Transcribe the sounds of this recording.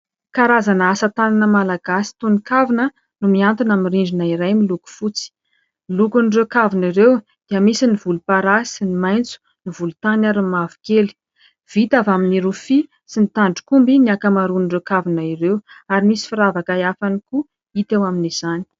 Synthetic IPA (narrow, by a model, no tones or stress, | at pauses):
kaɾazanəasət̪ananəmalaɡasi̥t̪unikavinə | numiant̪inamiriɳɖ͡ʐinaiɾajmiluku̥fut͡si̥ | milukunrekaviniɾew | d̪̥iəmisinivulupaɾasinimajnt͡su̥ | nivulut̪anaɾimavu̥keli̥ | v̥it̪avaminiɾufi | sinit̪aɳɖ͡ʐu̥kumbiniakamaɾunɖ͡ʐekavinaiɾewaɾimisi̥fiɾavakajafaniku | it̪ewaminiz̥ani̥